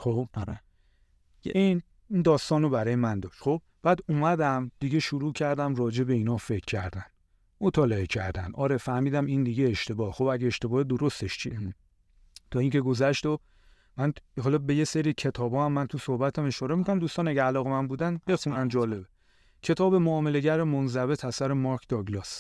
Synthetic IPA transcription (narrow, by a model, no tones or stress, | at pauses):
xo | jin | ind̪ɒːst̪ɒːnobæɾɒːjemænd̪ɒːʃt̪xo̞b̚ | b̥æːd̪uːmæd̪æmd̪̥iɡe̞ʃuɾuːcʰæɾd̪æmrɒːd͡ʒe̞be̞iːnɒːfe̞kʰːæɾd̪æn | mot̪ʰɒːleecʰæɾd̪æ̰nd̪ʔɒːɾe̞fæhmiːd̪æmind̪iɡeeʃt̪e̞bɒːhxo̞bæɟeeʃt̪e̞bɒːhed̪oɾo̞st̪eʃt͡ʃʰie | t̪ʰɒːiːŋce̞ɡo̞zæʃt̪o | mænhɒːlɒbe̞je̞seɾiːcʰe̞t̪ʰɒːbɒːhæmːænt̪ʰusohbæt̪ʰæme̞ʃɒːɾemikʰonæmd̪ust̪ɒːnæɟeælɒːɣe̞mænbuːd̪ænbe̞xunænd͡ʒɒːle̞be | cʰe̞t̪ʰɒːbe̞moɒːme̞le̞ɟæɾemonzæve̞t̪ʰæsæɾemɒɾkʰd̪ɒɡlɒs